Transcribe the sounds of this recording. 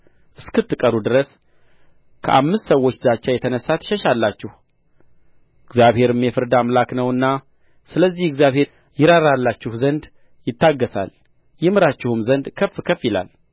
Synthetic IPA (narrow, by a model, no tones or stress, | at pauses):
ʔɨskɨt̪ːɨkʼəɾud̪ɨɾəs | kʰə̰ʔamːɨst̪səwːot͡ʃːzat͡ʃːajɛt̪ʰənəsːat̪ʰʃɛʃalːat͡ʃːɪh | ʔɨɡzjaβhe̞ɾɨmjɛfɨɾd̪amlaknəwɨnːa | sɨləzːihɨɡzjaβhe̞ | jɪɾaɾalːat͡ʃːɪhzənd̪ | jɪt̪ːaɡːəsa̰l | jɪmɨɾat͡ʃːɪhumzənd̪kʰəfːkʰəfɪla̰l